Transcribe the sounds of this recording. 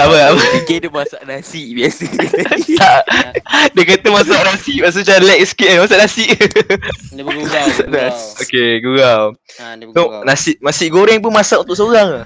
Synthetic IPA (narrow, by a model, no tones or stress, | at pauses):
apəapəiɡedumasaʔnasiʔbiasət̪aʔ | dəkat̪əmasaʔnasiʔmas̬at͡ʃalɛk̚skiadmasaʔnasiʔ | aaʔnasokeɡuɡaw | sonasiʔ̚masiʔɡoɾɛŋpunmasaʔunt̪ʊʔs̬oɾaŋa